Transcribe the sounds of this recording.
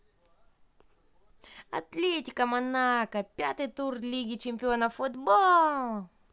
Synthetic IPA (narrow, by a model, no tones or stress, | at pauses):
ɐ̰t̪lʲetʲɪkəmɐnakəpʲat̪ɨjt̪urlʲiɡʲɪt͡ɕɪmʲpʲɪo̞nəfʊd̪bolˠ